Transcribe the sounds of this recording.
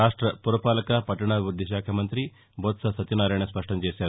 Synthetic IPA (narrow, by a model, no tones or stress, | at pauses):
aːʂʈɾɐpuɾʋɐpaːlɐkapɐʈɐɳ̃aːʋʋud̪ʱːiʃaːkʰɐmɐnt̪ɾi | boːt̪sɐsɐt̪inaːɾɐɳ̃ɐspɐʂʈɐnd͡ʒeːsjaːɾ